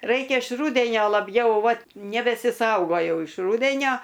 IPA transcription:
ˈrɐɪkʲɛ ɪʃ ˈruːdʲɛnʲoː lˠɐˈbʲjɛʊ ˈʋɐt nʲɛbʲɛsʲɪˈsɐʊɡoːjɛʊ ɪʃ ˈruːdʲɛnʲoː

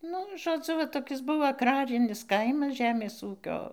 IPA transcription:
ˈnʊ ʒoːˈd͡zʊ ʋɐ toːˈkʲɪs ˈbʊʋoː ɐɡˈrɑːrʲɪnʲɪs ˈkɐɪmɐs ˈʒʲæːmʲeːs ˈuːkʲoː

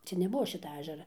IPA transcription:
ˈt͡ʃʲɛ nʲɛˈbuɔ ˈʃʲɪtɐ ˈɑːʒʲɛrɐ

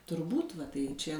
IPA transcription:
tʊrˈbuːt ˈʋɐ ˈtɐɪ ˈt͡ʃʲɛ

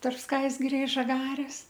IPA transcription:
tɐrp ˈskɐɪzʲɡʲɪrʲɛ ɪ ʒɐˈɡɑːrʲeːs

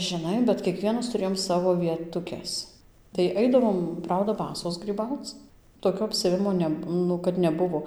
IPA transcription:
ʒʲɪˈnɐɪ bʲɛt kʲiɛˈkʋʲiɛnɐs tʊˈrʲeːjoːm ˈsɑːʋoː ʋʲiɛtʊˈkʲɛs tɐɪ ˈɐɪdɐʋoːm ˈprɐʊdɐ ˈbɑːsoːs ɡrʲiːˈbɐʊt͡s toːˈkʲoː ɐpʲsʲɛˈʋʲɪmoː ˈnʲɛ ˈnʊ kɐt nʲɛˈbʊʋoː

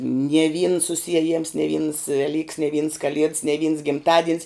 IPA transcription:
nʲiɛ ʋʲiːns sʊsʲiɛˈjɪms nʲɛ ʋʲiːns ʋʲɛˈlʲiːks nʲɛ ʋʲiːns kɐˈlʲiɛts nʲɛ ʋʲiːns ɡʲɪmˈtɑːdʲiɛnʲs

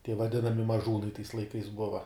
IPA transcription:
tʲiɛ ʋɐˈdʲɪnɐmʲɪ mɐˈʒuːnɐɪ tɐɪs lˠɐɪˈkɐɪs ˈbʊʋɐ

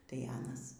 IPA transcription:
tɐɪ ˈɑːnɐs

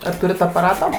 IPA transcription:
ɐr ˈtʊrʲɪt ɐpɐˈrɑːtoː

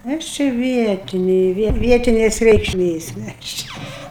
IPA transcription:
ˈɐʃ t͡ʃʲɛ ˈʋʲiɛtʲɪnʲeː ˈʋʲiɛtʲɪnʲeːs rʲɛɪkʃʲˈmʲeːs ˈmʲɛs ˈt͡ʃʲɛ

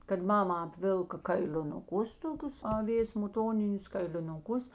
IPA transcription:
kɐt ˈmɑːmɐ ɐpʲˈʋʲɪlˠkɐ kɐɪlʲɪnʊˈkʊs toːˈkʲʊs ɐˈʋʲeːs mʊˈtoːnʲɪnʲʊs kɐɪlʲɪnʊˈkʊs

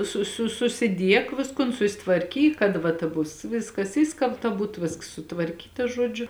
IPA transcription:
sʊ sʊ sʊsʲɪˈdʲiɛk ˈʋʲɪskʊn sʊsʲɪtʋɐrʲˈkʲiːk kɐt ˈʋɐ tɐ ˈbʊs ˈʋʲɪskɐs ˈɪʃskɐlˠptɐ ˈbuːt ˈʋʲeːsks sʊtʋɐrʲˈkʲiːtɐ ˈʒuɔd͡ʒʲʊ

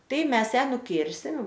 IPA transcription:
ˈtɐɪ ˈmʲɛs ˈjæː nʊˈkʲɪrʲsʲɪm

